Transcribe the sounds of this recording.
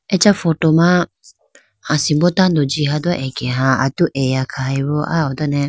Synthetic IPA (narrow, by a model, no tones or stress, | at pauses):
ɛt͡ʃafɔtoma | asibɔtandod͡ʒiɦadaʔɛɡɛɦãa̰tuʔɛjakʰaiβoʔa̰ɔdɔnɛ